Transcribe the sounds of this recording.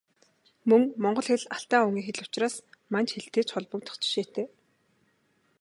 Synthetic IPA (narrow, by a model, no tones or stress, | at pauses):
mɵŋmɔɴɢɞ̆ɮxĕɮaɬt̪aːuŋiːxeɮʊ̥t͡ɕraːsmant͡ɕxeɮt̪eːt͡sχʊɮpə̆k̚t̪ɔ̥̆χʰt͡ɕɪ̥̆ʃeːt̪eː